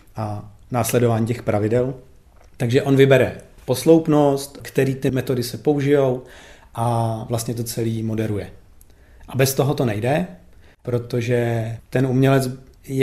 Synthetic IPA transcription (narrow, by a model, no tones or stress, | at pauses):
ʔa | naːslɛdo̞vaːɲiːcɛxpɾʔavɪdɛl | t̪aɡʒɛʔo̞nvɪbɛɾɛpo̞slowpno̞st̪kt̪ɛɾiːt̪ɪmɛt̪o̞dɪsɛpo̞uʒɪjo̞w | ʔavlast̪ɲɛt̪̬o̞t͡sɛliːmo̞dɛɾujɛ | ʔabɛst̪o̞ɦo̞t̪o̞nɛjdɛ | pɾo̞t̪oʒɛt̪ɛnumɲɛlɛt͡sjɛ